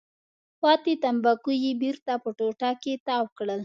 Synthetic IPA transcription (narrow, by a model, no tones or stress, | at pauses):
pɑt̪et̪ambakujibiɾt̪apəʈoʈaket̪ɑwkɽəl